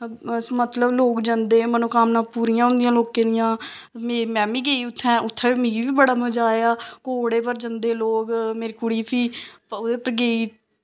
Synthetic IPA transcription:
mət̪ləbloːkd͡ʒə̃nd̪eːmənũːkamnaːpuːɾijãːɦʊ̃nd̪ɪjãːloːkẽːd̪ɪjãː | meːmɛ̃ːbĩːɡeːiːʊt̪ʰːɛ̃ːʊt̪ʰːɛ̃ːmĩːʋiːbəɽaːməd͡ʒaːeaːkoːɽeːpəɾd͡ʒə̃nd̪eːloːkmeːɾiːkʊɽiːpʰiːʊd̪eːpəɾɡeːiː

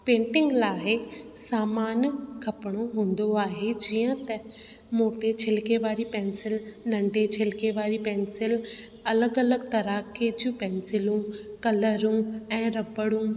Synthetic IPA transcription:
pẽːɳʈɪ̃ŋɡlaːɪsaːmaːnkʰɐpɽ̃oɦũːnd̪oaːɦed͡ʒijə̃t̪ɐ | moːʈet͡ʃʰɪlkeʋaːɾipɛ̃ːnsɪlnɐ̃ɳɖet͡ʃʰɪlkeʋaːɾipɛ̃ːnsɪl | ɐləɡɐləɡt̪ɐɾaked͡ʒũpɛ̃ːnsɪlũːkɐləɾũːɛ̃ːɾɐbəɽũː

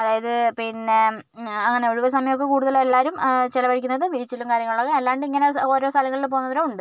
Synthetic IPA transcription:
ɐðaːjɐðɨpinːe̞ | ɐŋːɐɳe̞oɻuʋɐs̬ɐmɐjɐmokːekuːɽuðɐlelːaːɾumt͡ɕelɐʋɐɻikʲːunːɐðɨʋiɾit͡ɕːilːumkaːɾjɐŋːɐɭuɭoɣeelːaːɳɖɨiŋːɐneo̞ːɾo̞ːst̪ʰɐlɐŋːɐɭilp̬o̞ːunɐðɐɾoːuɳɖɨ

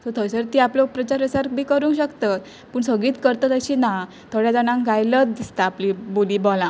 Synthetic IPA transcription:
sɔt̪ʰəsəɾt̪iːaplopɾət͡ɕaɾəsaɾkbʱiːkəɾuːŋkɕəkt̪at̪ | puːɳsəɡɭiːt̪kəɾt̪at̪əɕiːna | t̪ʰoɽjad͡zanãŋɡajləd̪ist̪aːpliboliːbɔlã

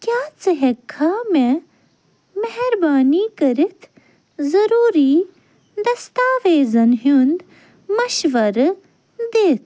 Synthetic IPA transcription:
kjaːt͡sɐɦɐkʰːaːmẽ | mɐɦɛɾbaːniːkɐɾit̪ʰ | zɐɾuːɾiː | d̪ɐst̪aːʋeːzɐnɦund̪ | mɐʃʋɐɾ | d̪eːt̪̚ʰ

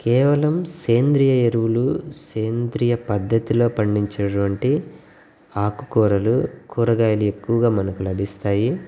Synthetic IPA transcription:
kɛːʋɐlɐmseːnd̪ɾijɐeɾuwuluseːnd̪ɾijɐpɐd̪ʱːɐt̪ilo̞ːpɐɳɖiɲt͡ʃeːʈʋɐɳʈi | aːkukɔːɾɐlukuːɾɐɡaːjɐlue̞kːuʋɐɡaːmɐnɐkulɐd̪ʱist̪aːji

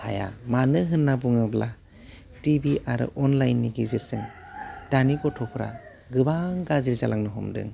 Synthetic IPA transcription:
haja̰manɯɦɯnːabuŋɯbla | tibiʔaɾɯ̰ʔɔnlajnːiɡizisɯŋ | d̥anikɔtʰɔpʰɾa̰ | ɡɯbaŋɡaziɾzalʔaŋnɯɦɔmdɯ̰ŋ

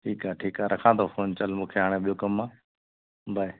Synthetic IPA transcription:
ʈʰiːkɦaːʈʰiːkaːɾʔəkʰãːd̪ʰoːfoːnt͡ʃəlmũːkʰeːɦaːɽ̃eːɓɪjoːkəmːãː | bʱəe

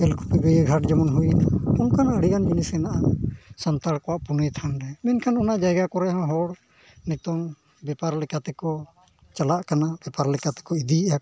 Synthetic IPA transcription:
ɛlkʰu̥piɡəjəɡʱaʈd͡ʒɛmɔnɦujnaɔnkanəɽijand͡ʒinisɛnaʔasɔnt̪aɽkɔwaʔpunejt̪ʰanɾɛmɛnkʰanɔnaʔd͡ʒajɡakɔɾɛãɦɔɽ | nɛt̪ɔŋ | bɛpaɾlɛkat̪ɛkɔ | t͡ʃalaʔkanabɛpaɾlɛkat̪ɛ̥kɔid̪ija

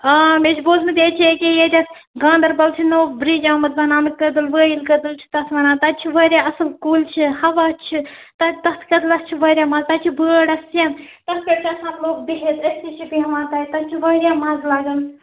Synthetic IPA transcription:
aːmeːt͡ʃʰiboːzmɨt̪et͡ʃʰekʲejeːd̪ʲɐt̪ | ɡãːnd̪ɐɾbɐlt͡ʃʰinoːbɾid͡ʒãːmɐt̪̚bɐnaːmɨkəd̪ɨlʋəːjilkəd̪ɨlt͡ʃʰi̥t̪ɐt̪ʰʋɐnaːt̪ɐt͡ʃʰiʋɐːɾjaːɐsɨlkuːlt͡ʃʰihɐʋaːt͡ʃʰit̪ɐt̪ɐt̪kɐd̪ɨlɐst͡ʃʰiʋɐːɾʲjaːmaːzt̪ɐt͡ʃʰibəːɽɐsjɐnt̪ɐskeɽkʲɐsaːnloːk̚biɦet̪ɐsit͡ʃʰibiɦɐʋãːt̪ɐːt̪ɐt͡ʃʰiʋɐːɾjaːmaːzlaːɡɐl

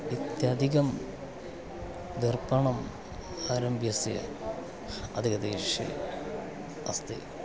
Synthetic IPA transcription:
it̪jɐd̪ʱiɣɐm | d̪irbɐɳɐm | aːɾɐmbʱjɐsijɐ̰ | ɐ̰d̪ʱiɣɐd̪eːʂḛ | ɐst̪ḭ

